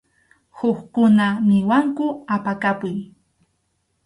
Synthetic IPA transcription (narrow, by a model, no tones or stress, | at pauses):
hʊkkʊnamɪwaŋkʊapakapʊj